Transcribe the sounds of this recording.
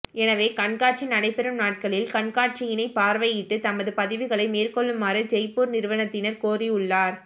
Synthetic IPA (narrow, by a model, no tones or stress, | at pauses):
ɛnɐʋeːkɐɳkaːʈ̚t͡ʃinɐɽɐɪpːɛɾɯmnaːʈ̚kɐɭɪlkɐɳkaːʈ̚t͡ʃɪjɪnɐɪpaːɾʋɐjɪʈːɯt̪ɐmɐðɯpɐðɪʋɯɣɐɭɐɪmeːrkɔɭːɯmaːɾɯd͡ʒɛɪpuːɾnɪɾɯʋɐnɐt̪ːɪnɐɾkoːriʊɭːaːɾ